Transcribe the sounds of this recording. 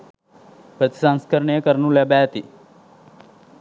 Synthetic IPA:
pɾət̪i̥sãŋskəɾɳijəkəɾnũlebaət̪i

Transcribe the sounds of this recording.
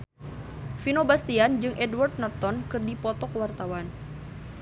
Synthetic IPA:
finobast̪iand͡ʒɨŋʔɛdward̪̚nɔrt̪ɔnkɨrdipɔt̪ɔkwart̪awan

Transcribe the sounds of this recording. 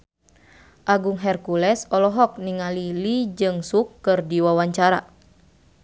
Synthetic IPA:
ʔaɡuŋɦɛrkulɛsɔlɔɦɔk̚niŋalilid͡ʒɨŋsukːɨrdiwawaɲt͡ʃaɾa

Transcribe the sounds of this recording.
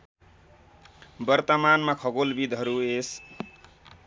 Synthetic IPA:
bʌrt̪ʌmanmakʰʌɡolbid̪ʱɦʌɾues

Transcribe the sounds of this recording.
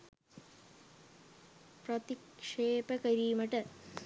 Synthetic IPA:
prɐt̪ikʂeːpɐkɐɾijumɐʈːɨ

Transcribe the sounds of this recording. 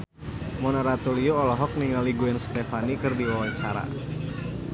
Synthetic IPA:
monaɾat̪ulioɔlɔɦɔk̚niŋaliɡuɛnst̪efanikɨrdiwawat͡ʃaɾa̰

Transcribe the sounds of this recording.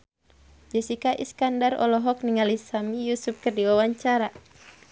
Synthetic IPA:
d͡ʒəsikaʔḭskandarɔ̰lɔɦɔk̚niŋalisamijusup̚kərdiwawaɲt͡ʃaɾa

